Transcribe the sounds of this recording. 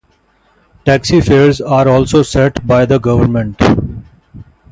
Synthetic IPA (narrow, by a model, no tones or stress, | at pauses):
ʈɛːksifeːɾzaːɾɔːlsoːsɛʈbaɪd̪əɡʌʋəɾmə̃ɳʈ